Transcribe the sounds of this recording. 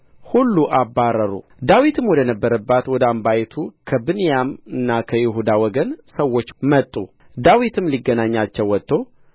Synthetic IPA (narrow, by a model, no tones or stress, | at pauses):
hulːuʔabːaɾəɾṵ | d̪awit̪ʰɨmwɔd̪ənəbːəɾəbːat̪wɔd̪əambajɛt̪ʰukʰəbɨnijamɨnːakʰəjɛɦud̪awɔɡənsəwːo̞t͡ʃːmət̪ʼːu | d̪awit̪ʰɨmliɡːənaɲːat͡ʃːɛwːɔt̪ʼːo̞